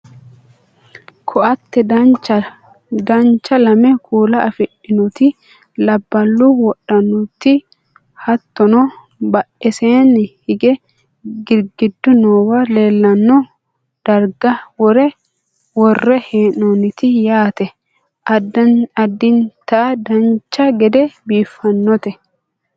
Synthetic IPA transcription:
kʰɔʔɐt̪ːɛ | d̪ɐnt͡ʃːɐlɐmɛkʰuːlɐɐfɪᶑːɪnɔt̪ɪ | lɐbːɐlːuwɔɗːɐnʊt̪ːɪ | hɐt̪ːɔnɔ | bɐʔɛseːnhɪɡɛ | ɡɪɾɡɪd̪ːʊnoːwɐle̞ːlːɐnːɔ | d̪̥ɐɾɡɐwɔɾɛ | wɔrːɛheːnonɪt̪ɪjaːt̪ɛ | ɐd̪ːɪnt̪ɐʔd̪ɐnt͡ʃːɐɡɛd̪ɛbiːfːɐnːɔt̪ɛ

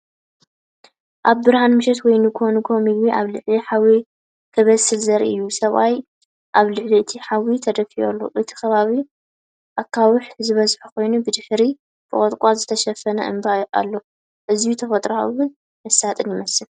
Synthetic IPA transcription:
ʔaβbɨɾhanmɨʃɛt̪wɔjnɨkʰonukʰomiɡwiʔaβlɨʕliħawi | kʰɐβɐsɨlzɐɾḭɨjːusɐβʔaj | ʔaβlɨʕliɨt̪ʰiħawit̪ʰɐd̪ɐfio̰lːo̰ʔɨt̪ʰi̥xɐβaβi | ʔakʰːawʊħzɨβɐzħukʰo̞jnubɨd̪ɨħɾi | b̥ɨʔʼot̪ʼkʼazɨt̪ʰɐʃɐfɐnɐ̰ʔɨ̰mbajʔa̰lːo̞ | ʔɨzijut̪ʰɐfɐt̪ʼɾowʊn | mɐsat̪ʼɨnjɪmɐsɨl

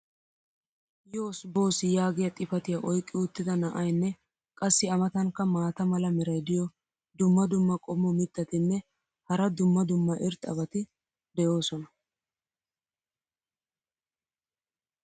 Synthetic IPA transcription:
jo̞ːsbo̞ːsɪjaːɡɪjɐt̪ʼɪfɐt̪ɪjaʔɔjkʼːɪʊt̪ːɪd̪ɐnɐʔɐjnːɛ | kʼɐsːɪɐmɐt̪ɐŋkːɐmaːt̪ɐmɐlɐmɪɾɐjd̪ɪjɔ | d̪ʊmːɐd̪ʊmːɐkʼɔmːʊmɪt̪ːɐt̪ɪnːɛ | hɐɾɐd̪ʊmːɐd̪ʊmːɐʔɪɾt̪ʼɐbɐt̪ɪ | d̪ɛjo̞ːsɔnɐ

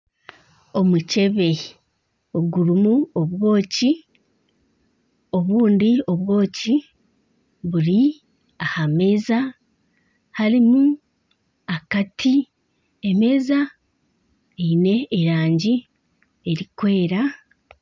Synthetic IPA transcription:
o̞muce̞βe̞ | o̞ɡuɾumuo̞βwo̞ːci | o̞βuːndio̞βwo̞ːci | βuɾi | ahame̞za | halimu | akatʰi | eme̞za | eine̞ːɾaːɲɟi | eɾikwe̞ːɾa

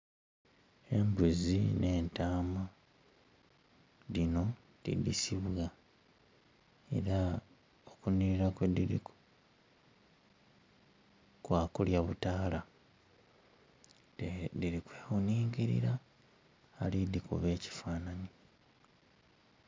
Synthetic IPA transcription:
e̞mbuzinʔe̞ːntaːma | lino̞ | tḭdḭsiβɣa | ḛɾa | okuniɾiɾakwedḭɾḭku̥ | kwaːkuljaβutaːla | tediɾikweːxuniːŋɡiɾḭɾaː | lidikṵβe̞ːci̥faːnani

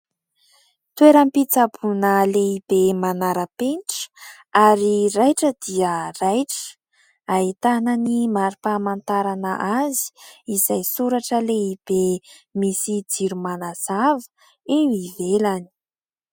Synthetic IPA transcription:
t̪weɾəmpit͡sabunəleib̥emanaɾəpenʈ͡ʂə̥ | aɾiɾajʈ͡ʂəd̪̥iərajʈ͡ʂə̥ | ait̪anənimaɾipamant̪aɾanəʔazi̥izajsuɾaʈ͡ʂəleib̥emisid͡ziɾumanaz̥avə̥ | ewivelani̥

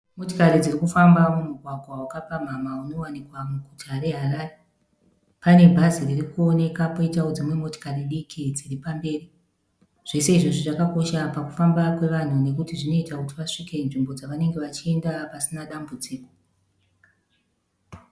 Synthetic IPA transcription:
mo̞tikaɾid͡zirikufambamumuɡʱwaɡʱwawakapam̤amauno̞wanikwamuɡʱutʰaɾe̞ɦaraːre | pane̞bʱaziririkuo̞ne̞kapoitaod͡zimwe̞mo̞ti̥kariɗikʰid͡ziripambe̞ːri | ʐ̥e̞se̞iʐoʐiʐakako̞ʃapaku̥fambakwe̞ʋan̤une̞k̬utiʐino̞itakutiʋaʂike̞nʐimbo̞d͡zaʋane̞ŋɡe̞ʋat͡ʃie̞ndapasinaɗambud͡ziːko

